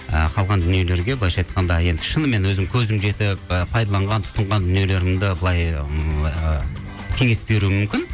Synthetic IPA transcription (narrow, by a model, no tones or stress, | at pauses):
ə̰qʰɑlˠʁɑnd̪ʏnije̞le̞ɾɡʲe̞bəlˠɑjʃɑjt̪qʰɑnd̪ɑje̞nd̪ɪʃənəme̞nwɵzɪmkʲʰɵzɪmʒe̞t̪ɪp̚pʰɑjd̪ɑlˠɑɴʁɑnt̪ʰʊ̥t̪əɴʁɑnd̪ʏnije̞le̞ɾɪmd̪ɪbəlˠɑj | kʲʰe̞ŋe̞sbe̞ɾuɪmʏmkʲɪn